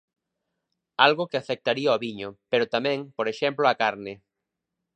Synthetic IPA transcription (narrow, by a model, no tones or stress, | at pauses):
alɣokɪafek̚t̪aɾiaɔβiɲopeɾʊt̪amɛ̃ŋpoɾeʃɛmploakaɾnɪ